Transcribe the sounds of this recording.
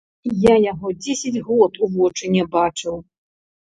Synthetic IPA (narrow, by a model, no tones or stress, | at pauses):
jajaɣɔd͡zʲesʲɐd͡zʲɣɔt̪uvɔt͡ʂɨnʲɛbat͡ʂɨw